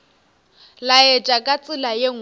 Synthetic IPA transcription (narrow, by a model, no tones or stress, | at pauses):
lajɛd͡ʒʼakʼat͡sʼɪlajeŋ̩